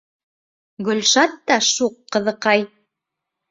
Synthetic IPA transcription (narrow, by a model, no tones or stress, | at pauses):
ɡɵ̆lʃɑt̪ːɑʃuqːɤ̆ðɤ̆qɑj